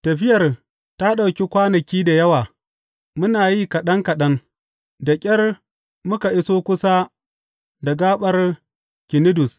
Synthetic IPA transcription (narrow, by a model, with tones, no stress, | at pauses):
tɐ˨ɸɪ˦jɐ˨r | ta˦ɗa˨wkʲi˦kʷaː˦nɐ˨kʲiː˦da˨jɐ˦waː˨ | mʊ˦naː˨jiː˦kɐ˨ɗɐ˦ŋkɐ˨ɗɐ˦ŋ | dɐ˨kʲʼɐ˦r | mʊ˦ka˨ʔɪ˦soː˦kʷʊ˦saː˦ | da˨ɡaː˦ɓɐ˦r | kʲɪ˨nɪ˦dʊ˨s